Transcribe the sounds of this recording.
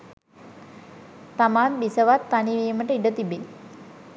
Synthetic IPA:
t̪amaːnbisəʋat̪ːaniʋeːməʈəiɖət̪ibin

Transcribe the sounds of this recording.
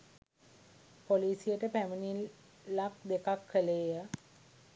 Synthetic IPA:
poliːsijəʈəpæməniː | ak̚d̪ekakʰːəleːjə

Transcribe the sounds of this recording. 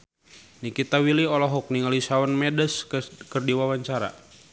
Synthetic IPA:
nikit̪awiliɔlɔɦɔk̚niŋalisawanmɛdəskərdiwawaɲt͡ʃaɾa̰

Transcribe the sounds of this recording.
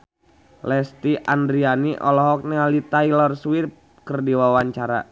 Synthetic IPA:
lɛst̪iʔandɾianiʔɔ̰lɔɦɔk̚nɛalit̪ailɔrswirp̚ | kərdiwawaɲt͡ʃaɾa̰

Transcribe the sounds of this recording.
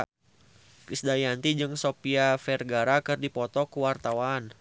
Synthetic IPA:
kisdajant̪id͡ʒɨŋsopiafɛrɡaɾakɨrdipɔt̪ɔkuwart̪awan

